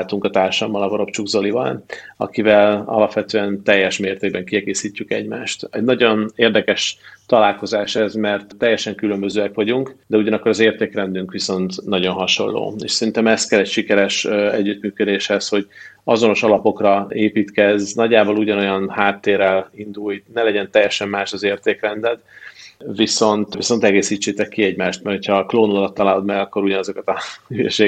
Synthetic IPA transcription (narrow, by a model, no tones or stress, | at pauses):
lt̪uŋkɒt̪aːrʃɒmːɒlɒvoɾo̞pt͡ʃuɡzolivɒ̰lɒ̰kivɛlɒ̰lɒpʋɛt̪øːɛnt̪ɛjːɛʃmeːrt̪eːɡ̚bɛŋkiɛɡeːsiːcːykɛɟmaːʃt̪ɛɟnɒɟo̞neːrd̪ɛkɛʃt̪ɒlaːlko̞zaːʃɛzmɛrt̪ːɛjːɛʃɛŋkylømbø̞zøːɛkʋɒɟuŋkd̪ɛuɟɒnɒkːoɾɒzeːrt̪eːkrɛnd̪yŋkʋiso̞nt̪nɒɟo̞nɦɒʃo̞̰lːo̰ːḛːʃsɛɾint̪ɛmɛst̪kɛlɛcʃikɛɾɛʃɛɟːyt̪myːkød̪eːʃhɛsho̞ɟɒzo̞no̞ʃɒlɒpo̞krɒeːpiːt̪kɛznɒɟːaːboluɟɒno̞jɒnhaːt̪ːeːrːɛlind̪ujtnɛlɛɟɛnt̪ɛjːɛʃɛmːaːʃɒzeːrt̪eːkrɛnd̪ɛt̪ | ʋiso̞nt̪ʋiso̞nt̪ɛɡeːsiːt͡ʃːeːt̪ɛkːiɛɟmaːʃt̪mɛrho̞cʰɒkloːnulɒt̪ːɒlaːlod̪mɛɡɒkːoɾuɟɒnɒzo̞kɒt̪ɒyø̰ʃeː